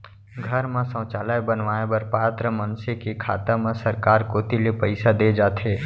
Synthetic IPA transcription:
ɡʱəɾmẽsə̃ːt͡ʃaːlaːjbənʋaːebəɾpaːt̪ɾəmənsekekʰa̰ːt̪amẽsəɾkaːɾkoːt̪ilepəɪsad̪eːd͡ʒaːt̪ʰeː

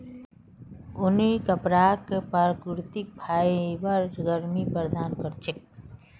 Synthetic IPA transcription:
unikəpɾakepaɾkɾt̪ik̚bʱaibaɾɡəɾmipɾd̪aːnkəɾt͡ʃʰe

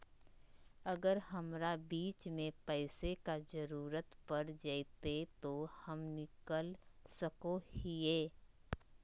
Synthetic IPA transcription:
ɐɡəɾɦɐmɾabiːt͡ʃmẽpɛɪsekad͡ʒɐɾuːɾət̪pɐɾd͡ʒəit̪et̪ohɐmnɪkəlsəkohieː

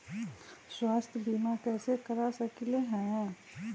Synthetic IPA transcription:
swaːst̪ʰjəbiːmakɛːsekɐɾasɐkileɦɛ̃

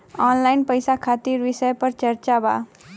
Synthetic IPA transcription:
ɔːnlaɪnpəjsakʰaːt̪iɾʋɪsəjpəɾt͡ʃəɾt͡ʃaba̰ː

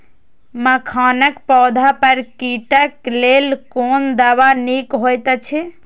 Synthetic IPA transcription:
məkʰanəkpɔːd̪ʱapəɾkiʈəklelkond̪aβanikɦojt̪t͡ʃʰɛ

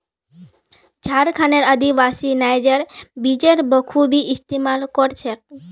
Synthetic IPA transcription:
d͡ʒʱaɾkʰaneɾəd̪iʋasinajd͡ʒəɾbid͡ʒeɾbəkʰubʱiɪst̪imalkɔɾt͡ʃʰe

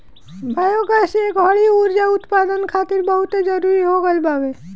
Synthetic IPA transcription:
bʱajoɡasekbɐɽiuɾd͡ʒaʊt̪paːd̪ənkʰaːt̪ɪɾbəɦʊt̪ed͡ʒəɾuɾiɦoɡəlbaːʋe

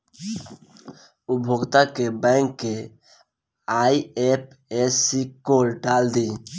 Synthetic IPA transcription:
ubʱoɡt̪akebɛ̃ŋkːe | aiep̚ | esikoɾɖald̪i

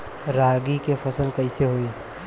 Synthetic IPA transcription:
ɾaːɡikefʰəsəlkəɪseɦoiː

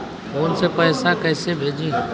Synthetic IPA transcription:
foːnsepəːsakəːsebʱeːd͡ʒĩː

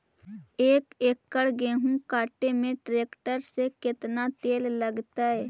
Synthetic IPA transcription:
eːkeːkːəɽɡeːɦũkaːʈemẽʈɾeːkʈəɾsekɪt̪nat̪eːlləɡt̪aɦɛː

